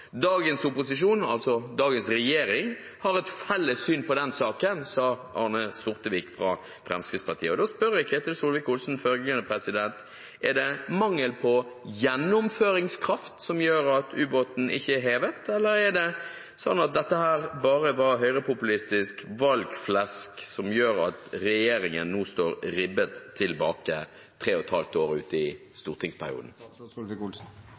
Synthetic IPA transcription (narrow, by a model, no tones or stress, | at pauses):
d̪ɑːɡənsʊpːʊsɪʂuːnɑ̰lsɔd̪ɑːɡənsɾɛjeːɾɪŋ | hɑɾɛt̪fɛlːəsyːnpɔd̪ɛnsɑːkənsɑːʔɑ̰nəsʊʁt̪əʋiːkfʁɑ̰ | fɾɛ̰mskɾɪt̪spɑt̪ḭːəɔd̪oːspœɾjækʰɾɛt̪əɾsuːlʋɪkʊlsn̩fœlɡɡɛnəpʰɾɛsɪd̪ɛnt̪ | ɛɖ̪ɛmɑŋːəlpʰɔjɛnːʊmføːɾɪŋskʰɾɑft̪sɔmjøːɾɑt̪ʰʉːboːt̪n̩ʔɪ̰çːəɛɦeːʋət̪ɛlːəɾɛɖ̪ɛ | sɔnːɑt̪̚d̪ɛt̪ːəhæːɾbɑːɾəʋɑɦœʏʁəpʰʊpʉlɪst̪ɪskʋɑlɡflɛsksɔmjøːɾɑ̰t̪ɾɛjeːɾɪŋənːuːst̪oːɾɾɪbət̪ʰːɪlbɑ̰ːkə̰ | t̪ʰʁeːɔt̪hɑ̰lft̪oːɾʉ̰ːt̪ɪst̪uːʁt̪ʰɪŋspʰæ̰ɾɪ̰ṵːd̪n̩